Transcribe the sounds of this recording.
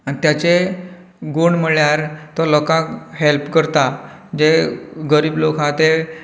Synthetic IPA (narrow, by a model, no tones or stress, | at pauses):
anit̪jat͡ɕe | ɡoɳməɭjaɾt̪ɔlɔkãkɦelpkəɾt̪a | d͡ʑeɡəɾiːblokãt̪e